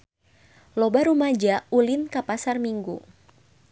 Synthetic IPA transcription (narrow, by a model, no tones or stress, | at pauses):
lɔbaɾumad͡ʒaulɪnkapasarmiŋɡu